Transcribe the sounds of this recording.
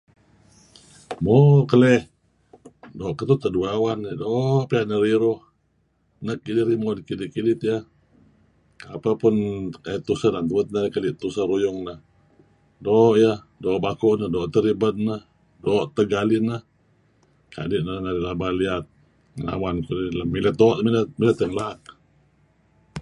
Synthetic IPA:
mɔkəlɛh | doːʔkət̪ut̪ːəduaawanːədoʔpiaʔnəɾiɾʊh | nək̚ːidiɾimodikidiʔkidɪt̪jəh | apəpʊnkait̪usəhdant̪uət̪̚nəkalɪʔt̪usəhɾujʊŋnəh | dɔːʔjəh | dɔːʔbakuʔnəhdɔːʔt̪əɾibət̪̚nəh | dɔːʔt̪əɡalinəh | kʰa̰diʔnənaɾilabaliat̪̚ | ŋəna̰wankudiləmilət̪̚dɔːʔmiləmilət̪əŋlak̚

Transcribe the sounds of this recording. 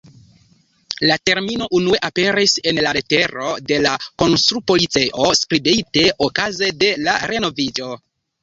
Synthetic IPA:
late̞ɾmino̞ʔunue̞ʔape̞ɾise̞nlaɾe̞te̞ɾo̞de̞lako̞nst̪ɾupo̞lit͡seʔo̞skɾibite̞ʔokaze̞de̞laɾe̞no̞vid͡ʒo̞

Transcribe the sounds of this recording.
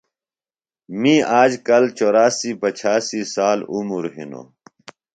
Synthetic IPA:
mĩːaːd͡ʑkɐlt͡ɕoːɾaːsipɐt͡ɕʰaːsisaːlumuɾɦḭno̰ː

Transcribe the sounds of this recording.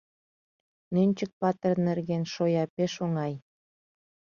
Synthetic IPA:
nønʲt͡ɕək̚pɑt̪ərnerɣenʃojɑpeʃoŋɑj

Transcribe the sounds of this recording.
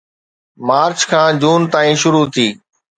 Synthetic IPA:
maːɾt͡ɕkʰãːd͡ʑuːnt̪aːĩːʃʊɾut̪ʰiː

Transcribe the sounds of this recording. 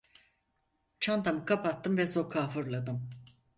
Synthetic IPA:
t͡ʃʰand̪amɯkʰapat̪ːɯmvɛsokʰaːfɯɾlˠad̪ɯm

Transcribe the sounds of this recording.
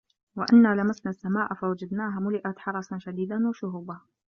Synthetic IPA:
waʔanːaːlamasnaːsːamaːʔfawad͡ʒad̪naːɦamʊlɪʔat̪ħɑɾˤɑsˤʃad̪iːd̪anwaʃʊɦuːba

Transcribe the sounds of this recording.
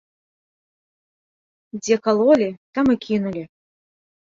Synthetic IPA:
d͡zʲekɐlˠolʲit̪amɨkʲʰinulʲi

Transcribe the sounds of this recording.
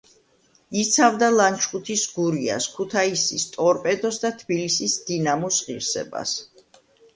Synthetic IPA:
it̪sʰavd̪alant͡ʃʰχʼut̪ʰisɡuɾia̰skʰut̪ʰaisist̪ʼɔɾpʼɛd̪ɔsd̪at̪ʰbilisisd̪̥inamusʁiɾsɛ̰ba̰s

